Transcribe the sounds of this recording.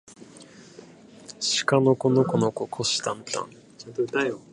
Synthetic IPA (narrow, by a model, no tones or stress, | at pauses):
ɕi̥kanokonokonokokʰoɕi̥t̪ãnt̪ã̰n | t̪a